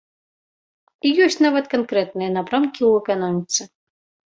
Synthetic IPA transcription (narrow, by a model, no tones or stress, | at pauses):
ijɔsʲtʲnavɐt̪kankɾɛt̪̚nɨjɐnapɾamkʲiuɛkanɔmʲit̪sɨ